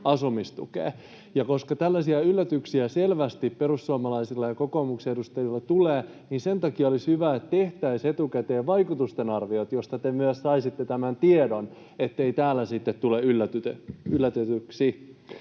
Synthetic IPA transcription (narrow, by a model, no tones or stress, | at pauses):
ɑsumist̪ṵkḛː | jɑkoskɑt̪ælːæsiæylːæt̪yksiæselʋæst̪ipperusːuɑmɑlɑisilːɑjɑkokoːmukseedust̪ɑjilːɑt̪uleː | niːnse̞nt̪ɑkiɑolishyʋæet̪t̪e̞ht̪æiset̪ukæt̪eːʋɑikut̪ust̪enɑrʋiot̪jost̪ɑt̪emyæssɑisit̪ːet̪æmænt̪iedon | et̪ːeit̪æːlːæsit̪ːet̪tuleylːæt̪yt̪eylːæt̪et̪yksi